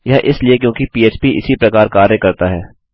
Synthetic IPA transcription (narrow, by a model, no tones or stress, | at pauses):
jɐʔɪsliekjõːkipiːeːt͡ʃpiʔɪ̰sipɾɐkaːɾkaːɾjəkɐɾt̪aɦɛː